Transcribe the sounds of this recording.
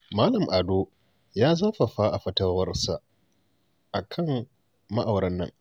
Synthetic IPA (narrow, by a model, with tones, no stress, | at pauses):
maː˦lɐ˨mʔa˨do˦ | jaː˦zaː˦ɸɐ˨ɸaː˦ʔa˨ɸɐ˦tɐ˦wɐ˦rsa˨ʔ | ʔa˨kʰɐ˦m | mɐ˦ʔa˨wɽɐ˦nːɐ̰˦ŋ